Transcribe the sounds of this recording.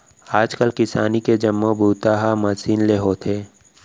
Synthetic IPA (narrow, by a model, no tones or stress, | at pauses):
aːd͡ʒkəlkɪsaːniked͡ʒəmːobʱuːt̪aːɦamɐsiːnleɦoːt̪ʰeː